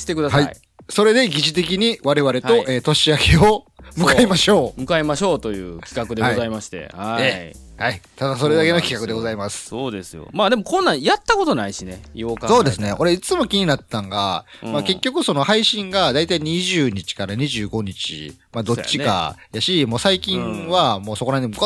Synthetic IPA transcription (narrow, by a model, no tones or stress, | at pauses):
i̥t̪ekɯ̟d̪ahai | so̞ɾe̞d̪e̞ɡʲiʑit̪e̞k̬ʲiɲ̟iβaɾe̞βaɾe̞o̞ʔeːt̪o̞ɕiakeo | mɯkaimaɕo̞ːmɯ̟kaimaɕo̞ːt̪o̞jɯ̟̰ːkʲi̥kakkɯ̟d̪e̞aɡizaimaɕi̥t̪e̞̰haeː | hait̪ad̪aso̞ɾe̞d̪ake̞no̞kʲi̥kakɯ̟d̪e̞ɡo̞zaimasɨ̥soːd̪esɨjo̰maːd̪e̞mokõnːãjat̪ːako̞t̪o̞naiɕinḛjokso̞ːd̪e̞sɨneo̞ɾe̞it͡sɨmo̞kʲiɲ̟inat̪ːãŋɡamake̞kʲːo̞kɯ̟so̞no̞haiɕĩŋɡad̪ait̪aiɲ̟iʑɨːɲ̟it͡ɕi̥kaɾaɲ̟iʑɨːɡo̞ɲ̟it͡ɕḭ | mad̪o̞t͡ɕːika̰jaɕimo̞ːsaikʲĩɰ̃βamo̞ːso̞ko̞ɾaɲ̟imɯk